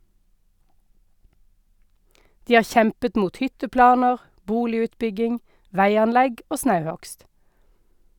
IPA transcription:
ˈdiː ˈɑː ˈçɛmpət ˈmuːt ˈhʏtəˌplɑːnəʁ ˈbuːlɪʉːtˌbʏɡɪŋ ˈʋæɪɑnˌlɛɡ ˈoː ˈsnɑʉˌhɔkst

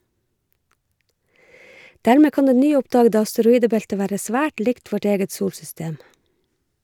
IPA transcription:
ˈdæːɹmeː ˈkɑːn ˈdeː ˈnyːˌʊpdɑːɡədə ɑstəɾʊˈiːdəˌbɛltə ˈʋæːɾə ˈsʋæːʈ ˈlɪkt ˈʋɔʈ ˈeːɡət ˈsuːlsʏˌsteːm

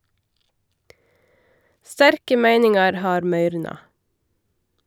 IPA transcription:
ˈstæɾkə ˈmæɪnɪŋɑɾ ˈhɑːɾ ˈmœʏɾnɑ

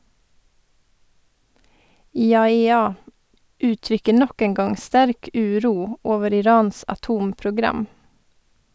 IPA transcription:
ˌiːɑɛˈɑː ˈʉːˌtɾʏkə ˈɳɔk ˈeːŋ ˈɡɑŋ ˈstæɾk ˈʉːˌɾuː ˈoːʋəɾ ɪˈɾɑːns ɑˈtuːmpɾʊˌɡɾɑm

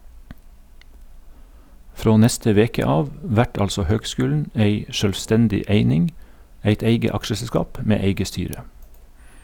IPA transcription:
ˈfɾoː ˈnɛstə ˈʋeːkə ˈɑːʋ ˈʋæʈ ˈɑlsɔ ˈhøːɡˌskʉːln̩ ˈeɪ ʃœlʋˈstɛndɪ ˈeɪnɪŋ ˈæɪt ˈeɪɡə ˈɑkʃəsɛˌskɑːp ˈmeː ˈeɪɡə ˈstyːɾə

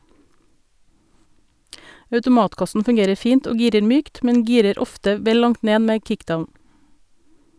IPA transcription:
ɑʉtʊˈmɑːtˌkɑsn̩ fʉŋˈɡeːɾəɾ ˈfiːnt ˈoː ˈɡiːɾəɾ ˈmyːkt ˈmɛɲ ˈɡiːɾəɾ ˈɔftə ˈʋɛl ˈlɑŋt ˈneː ˈmeː ˈkɪkˌdaʊn

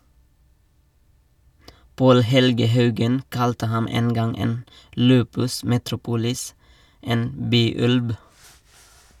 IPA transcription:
ˈpoːl ˈhɛlɡə ˈhɑʉɡən ˈkɑltə ˈhɑm ˈeːn ˈɡɑŋ ˈeːn ˈlʉːpʉs mɛtɾʊˈpuːlɪs ˈeːn ˈbyːˌʉlb

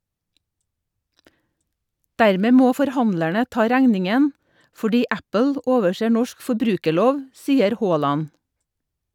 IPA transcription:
ˈdæɾˌmeː ˈmoː fɔɾˈhɑnlæɳə ˈtɑː ˈɾæŋnɪŋən fɔˈɖiː ˈæpəl ə ˈoːʋəˌseː ˈnɔʃk fɔˈbɾʉːkəˌɭoːʋ ˈsiːəɾ ˈhoːˌlɑn

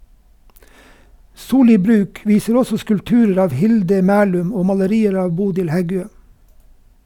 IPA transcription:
ˈsuːˌliː ˈbɾʉːk ˈʋiːsəɾ ˈɔsɔ skʉlpˈtʉːɾəɾ ˈɑːʋ ˈhɪldə ˈmæːlʉm ˈoː mɑləˈɾiːəɾ ˈɑːʋ ˈbuːdɪl ˈhɛˌɡøː

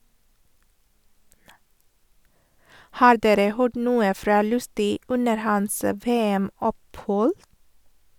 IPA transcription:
ˈhɑːɾ ˈdeːɾə ˈhøːɖ ˈnuːə ˈfɾɑː ˈlʉstʏ ˈʉnəɾ ˈhɑns ə ˈʋeːæˌmɔpˌhɔl

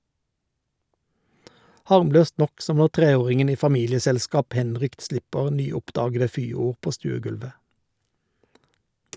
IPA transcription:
ˈhɑʁmˌløːst ˈnɔk ˈsɔm ˈnɔʁ ˈtʁeːˌoːʁɪŋən ˈiː fɑˈmiːlɪəsɛlˌskɑːp ˈhɛnˌʁʏkt ˈslɪpəʁ ˈnyːˌʊpˌdɑːɡədə ˈfyːˌuːʁ ˈpoː ˈstʉːəˌɡʉlʋə

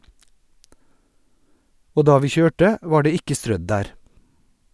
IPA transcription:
ˈoː ˈdɑː ˈʋiː ˈçøːʈə ˈʋɑː ˈɖeː ˈɪkə ˈstɾœd ˈdæːɾ

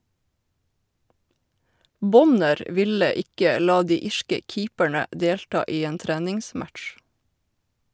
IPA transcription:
ˈbɔnəɾ ə ˈʋɪlə ˈɪkə ˈlɑː ˈdiː ˈɪʃkə ˈkiːpəɳə ˈdeːlʈɑː ˈiː ˈeːn ˈtɾæːnɪŋˌsmætʃ

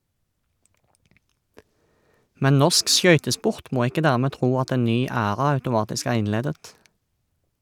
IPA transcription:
ˈmɛn ˈnɔʁsk ˈʃœʏtəˌspʊʁt ˈmoː ˈɪkə ˈdæːʁˌmeː ˈtʁuː ˈɑt ˈeːn ˈnyː ˈæːʁɑ ɑʉtʊˈmɑːtɪsk ˈæːʁ ˈɪnˌleːdət

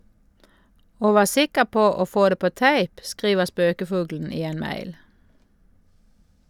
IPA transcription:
ˈoː ˈʋɑː ˈsɪkəʁ ˈpoː ˈoː ˈfoː ˈdeː ˈpoː ˈtæɪp ˈskʁiːʋəʁ ˈspøːkəˌfʊɡln̩ ˈiː ˈeːn ˈmæɪl

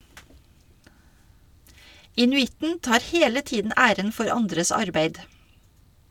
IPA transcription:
ɪnʉˈɪtn̩ ˈtɑːɾ ˈheːlə ˈtiːdn̩ ˈʔæːɾən ˈfɔɾ ˈɑndɾəs ˈɑɾbeɪd

